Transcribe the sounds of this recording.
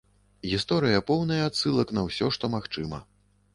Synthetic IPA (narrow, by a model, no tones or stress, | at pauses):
ɣʲist̪ɔɾɨjɐpɔwnɐjɐːt̪sɨlˠɐkn̪ɐwsʲɔʂt̪ɔmaxt͡ʂɨmɐ̰